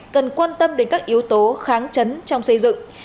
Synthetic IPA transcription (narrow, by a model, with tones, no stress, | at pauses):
kə˨˩nkwaː˧nt̪ə˧mɗe˨˦nkaː˦˥k̚ʔi˨˦əwt̪o˨˦xaː˨˦ŋt͡ɕə˨˦nt͡ɕɔ˧wŋ͡msə˧jzɨ̰˧˨ŋ